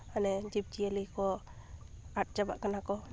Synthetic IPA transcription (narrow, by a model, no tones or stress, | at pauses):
anɛd͡ʒib̚d͡ʒielijkɔ | aʈ̚d͡ʒaba̰ʔkanakɔ